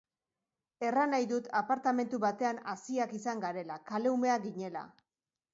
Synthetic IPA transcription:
e̞ranajðut̪apaɾt̪ame̞nt̪uβat̪e̞anasiakisaŋɡaɾe̞lakale̞ume̞aɡiɲe̞la̰

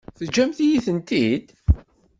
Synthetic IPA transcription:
θəd͡ʒːæmθijiθənt̪id̪

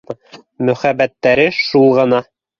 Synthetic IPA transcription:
mɵ̆χæbæt̪ːæɾɘʃulˠʁɤ̆nɑ

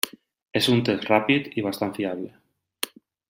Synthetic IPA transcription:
esunt̪esrapit̪iβ̞ast̪anfiaβle

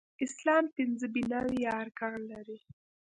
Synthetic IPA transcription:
ɪslɑmp̪ɪnzəbɪnɑwijɑaɾkɑɣlaɾi

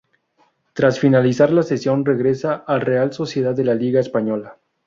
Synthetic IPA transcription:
t̪ɾasfinalisaɾlase̞sjo̞nre̞ɣɾe̞saʔalre̞also̞sje̞ð̞aððe̞laliɣaespaɲo̞la

